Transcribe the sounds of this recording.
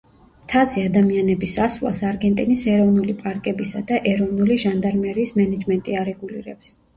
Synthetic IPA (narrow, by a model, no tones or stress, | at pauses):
mt̪ʰaziad̪amianɛbisasvla̰saɾɡɛnt̪ʼinisɛɾɔvnulipʼaɾkʼɛbisad̪aʔɛɾɔvnuliʒand̪aɾmɛɾiːsmɛnɛd͡ʒmɛnt̪ʼiaɾɛɡulḭɾɛps